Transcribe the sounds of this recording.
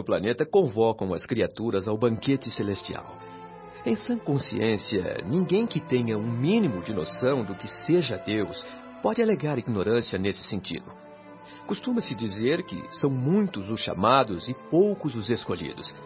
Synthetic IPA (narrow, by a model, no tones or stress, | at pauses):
ʊpla̰net̪ɐkõvɔkɐ̃w̃ɐskɾiat̪uɾɐzawbɐ̃ŋket͡ʃɪselest͡ʃia̰w | ẽj̃sɐ̃kõsiẽsiɐ̰nĩɡẽj̃kɪt̪ẽɲɐũmĩnimʊd͡ʒɪno̰sɐ̃w̃d̪ʊkɪseʒɐd̪ews | pɔd͡ʒɪaleɡaɾiɡnoɾɐ̃siɐnesɪ̥sẽnt͡ʃḭd̪ʊ | kust̪ũmɐsɪd͡ʒizeɾkɪ̰sɐ̃w̃mũj̃t̪ʊzʊsʃa̰mad̪ʊzɪpowkʊzʊzeskoʎḭd̪ʊs